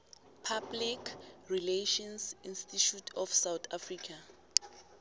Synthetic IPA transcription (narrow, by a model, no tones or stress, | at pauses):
pʰablikʰrileʃɔnsinstitʰutʰɔfsawt̪ʰafrikʰa